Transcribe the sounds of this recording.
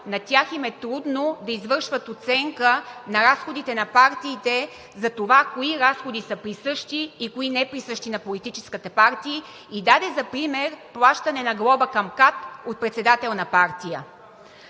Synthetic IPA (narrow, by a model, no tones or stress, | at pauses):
nɐt̪ʲjaximɛt̪ɾud̪nod̪ɐizvɤɾʃvət̪ot̪sɛŋkənɐɾasxod̪it̪ɛnɐpaɾt̪iːt̪ɛ | zɐt̪ovakoiɾasxod̪isəpɾisɤʃt̪iːkoinɛpɾisɤʃt̪inɐpolit̪it͡ʃɛ̥skət̪ɛpaɾt̪iː | id̪ad̪ɛzɐpɾimɛɾplˠaʃt̪ɐnɛnɐɡlˠɔbəkɐmkat̪ot̪̚pɾɛt̪sɛd̪at̪ɛlˠnɐpaɾt̪ijə